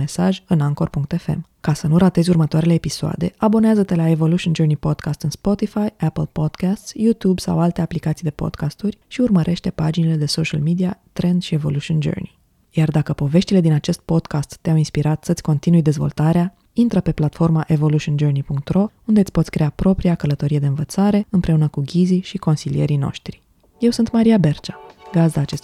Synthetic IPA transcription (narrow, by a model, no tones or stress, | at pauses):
e̞saʒʲɨnaŋko̞rpuŋk̚t̪e̞fe̞̰m | kasənuɾat̪e̞zʲurmət̪oaɾele̞ːpisoa̰d̪e̞abo̞neazət̪e̞lae̞vo̞luʃiond͡ʒərnipo̞d̪kast̪ɨnspo̞t̪ifajapəlpo̞d̪̥kast̪sjut̪ubsa̰walt̪e̞aplikat̪sijd̪e̞po̞̰d̪̥kast̪urʲʃiurməɾʔe̞ʃt̪e̞pad͡ʒinele̞d̪e̞so̞ʃa̰lmid̪iat̪ɾe̞nd̪ʃie̞vo̞̰lut͡ʃiond͡ʒə̰rni | jard̪akəpo̞ve̞ʃt̪ile̞d̪inat͡ʃe̞st̪̚po̞d̪kast̪ːeawinspiɾat̪sət̪sʲko̞nt̪inujd̪e̞zvo̞lt̪aɾea | int̪ɾəpe̞plat̪fo̞rmaʔe̞vo̞luʃiond͡ʒərnipuŋk̚t̪ro̞und̪et̪sʲpo̞t̪sʲkɾe̞apɾo̞pɾiakələt̪o̞ɾie̞d̪e̞ɨnvət̪saɾe̞ɨmpɾe̞unəkuɡʲiziʃiko̞nsilije̞ɾino̞̰ʃt̪ɾi̥ | je̞wsunt̪maɾiabe̞rt͡ʃḁɡazd̪aːt͡ʃe̞st̪